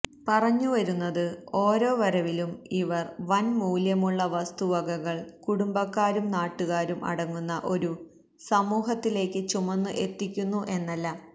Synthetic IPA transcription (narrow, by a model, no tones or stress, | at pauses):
pɐrɐɲːuʋɐɾunːɐðɨo̞ːɾo̞ːʋɐɾɐʋilumiʋɐrʋɐnmuːljɐmuɭːɐʋɐst̪uʋɐɣɐɣɐɭkuɽumbɐkːaːɾumnaːʈːuɣaːɾumɐ̰ɽɐŋːunːɐʔo̞ɾu | sɐmuːɦɐt̪ːile̞ːkːɨt͡ɕumɐnːɨʔe̞t̪ːikʲːunːuʔe̞nːɐlːɐ